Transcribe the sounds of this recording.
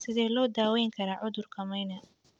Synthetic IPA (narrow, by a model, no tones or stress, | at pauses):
sɪðɛːlɔːd̪aːwɛjŋkʰɐɾaːʕʊðʊrkʰɐmɐjnɐ